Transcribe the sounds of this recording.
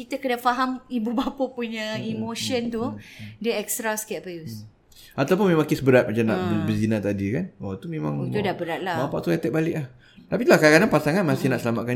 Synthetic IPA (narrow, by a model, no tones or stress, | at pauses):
kit̪əkədafaɦamibubapəpuɲə̃imoʃənt̪udəɛk̚st̪ɾaskɛt̚pajus | at̪aup̬ʊnmẽmãŋkɪsbəɾat̪̚mat͡ʃana̰ʔbəzinat̪adikanat̪umẽmã̰ŋt̪udabəɾat̪̚labapaʔt̪uɛt̪ɛʔ̚balɪʔlah | t̪apit̪ulahkakananpasaŋanmasɪhnaʔsəlamaʔ̪̚ka